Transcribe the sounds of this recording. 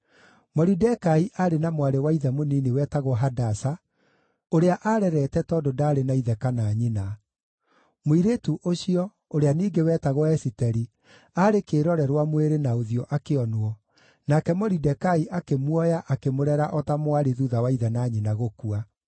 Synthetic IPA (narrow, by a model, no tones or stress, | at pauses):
mɔɾidɛkaiʔaɾenamwaɾewaiðɛmoniniwɛːtaɣɔɦadasa | oɾeaʔaːɾɛɾɛtɛtɔːdodaːɾenaiðɛkanaɲina | moiɾetuʔoɕiɔ | oɾeaniːɡewɛːtaɣɔɛsitɛɾi | aɾekeːɾɔɾɛɾwamweɾenaoðiɔʔakeɔnoɔ | nakɛmɔɾidɛkaiʔakemwɔjaʔakemoɾɛɾaʔɔtamwaɾeðuðawaiðanaɲinaɣokua